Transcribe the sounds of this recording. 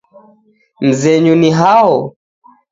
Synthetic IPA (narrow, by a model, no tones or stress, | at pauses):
m̩zɛɲuniɦaɔ